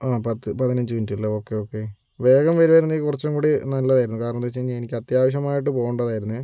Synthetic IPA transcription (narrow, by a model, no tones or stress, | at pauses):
aːpɐt̪ːɨpɐðinɐɲd͡ʑɨʋindilːoo̞ːkːe̞oːkːe̞ | ʋe̞ːɡɐmʋɐɾiʋɐɾunːikurɐt͡ɕːɐŋkuːɽinɐlːɐðaːjiɾunːukaːɾɐɳɐmt̪et͡ɕːeɲːenikʲːɐt̪jaːʋɐɕ̬jɐmaːjiʈ̬ːɨpo̞ːɣuɳɖɐðaːjiɾunːɨ